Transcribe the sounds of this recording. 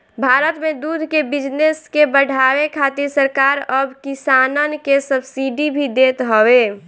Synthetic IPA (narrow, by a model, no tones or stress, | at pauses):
bʱaːɾət̪med̪ud̪ʱkebɪd͡ʒneskebəɽʱawekʰat̪iɾsəɾkaɾəbkisanənkesəbsiɖibʱid̪eːt̪ɦəwe